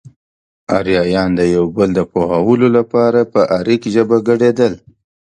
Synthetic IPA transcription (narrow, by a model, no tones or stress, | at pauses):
aɾjɑjɑnd̪əjawbəld̪əpohawəlolapɑɾapəʔaɾikʒəbaɡəɽed̪əl